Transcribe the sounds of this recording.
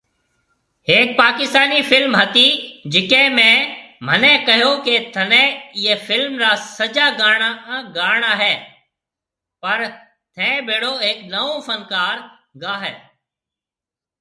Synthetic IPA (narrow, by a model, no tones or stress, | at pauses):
ɦeːk̚paːkɪst̪aːniːfʰɪlmɦət̪iːd͡ʒɪkẽːmẽːmənẽːkəɦjoːkeːt̪ʰənẽːɪːeːfʰɪlmɾaːsəd͡ʒaːɡaːɳaːɡaːɳaːɦɛː | pəɾ | t̪ʰɛ̃ːbeːɽoːeːknəõːfənkaːɾ | ɡaːɦɛː